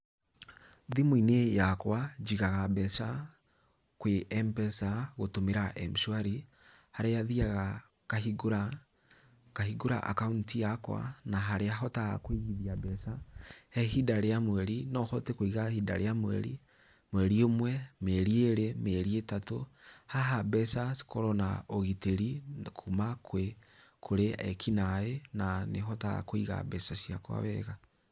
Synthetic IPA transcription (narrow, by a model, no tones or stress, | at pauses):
ðimoinejakwad͡ʒiɣaɣabɛsa | kweʔɛmpɛsaɣotomeɾaʔɛmʃwaɾi | haɾeaðiaɣa | kahiɡoɾa | kahiɡoɾa̰ʔa̰kauntijakwa̰naɦaɾeaɦɔta̰kweɣiðiabɛsahɛhidaɾeamwɛɾinɔhɔtekoiɣahida̰ɾeamwɛ̰ɾḭ | mwɛɾiomwɛmeɾieɾemeɾietatohaɦabɛsaskoɾɔnaoɣiteɾikʰumakwekʰoɾeɛkʰinaenaneɦɔta̰koiɣa̰bɛsasiakwa̰βɛɣa